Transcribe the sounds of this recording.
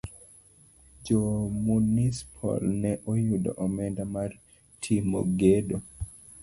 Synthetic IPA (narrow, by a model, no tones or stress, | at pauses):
d͡ʒomunispʰɔ̰lnɛʔɔjudɔ̰ʔɔmɛndamar | tʰimo̰ɡedo